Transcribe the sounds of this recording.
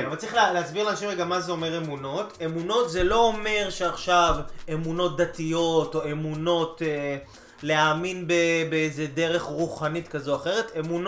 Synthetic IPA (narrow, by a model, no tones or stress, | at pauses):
envalt͡saʁiχlleasbiɣʁlanaʃimeɡamazeo̞me̞ʁemuno̞te̞muno̞tzelo̞ome̞ʁʃeaχʃavemuno̞t̚d̪atijo̞to̞e̞muno̞te | leaːminbebeejzede̞ʁe̞χʁuχanitkazoaχe̞ʁe̞temun